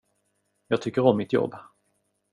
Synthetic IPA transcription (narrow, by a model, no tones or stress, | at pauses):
jɑːɡ̚t̪ʏkːəɾɔmːɪt̪jɔ̰bː